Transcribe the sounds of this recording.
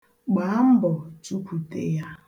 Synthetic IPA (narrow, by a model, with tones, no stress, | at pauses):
ɡ͡ba˨˦m̩˦bɔ˨t͡ʃu˦pʰu˨te˦ja˦